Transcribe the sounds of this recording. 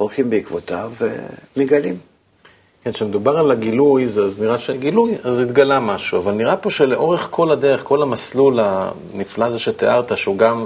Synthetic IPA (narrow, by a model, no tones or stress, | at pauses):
oʁχimbeikvot̪avḛmiɡalim | kenʃemed̪ubaʁalaɡilujzazniʁaʃeɡilujazit̪ɡalamaʃuavalniʁapo̞ʃele̞ʔo̞ʁeχkʰo̞lad̪eʁeχko̞lamaslula | niflazaʃet̪eʔaʁt̪aʃuɡam